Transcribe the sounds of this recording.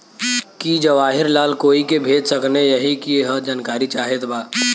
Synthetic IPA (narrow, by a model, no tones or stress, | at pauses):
kid͡ʒəʋaːɦɪɾlaːlkoːikebʱeːd͡ʒ̪səknejəɦikiɦəd͡ʒaːnkaːɾit͡ʃaːɦet̪baː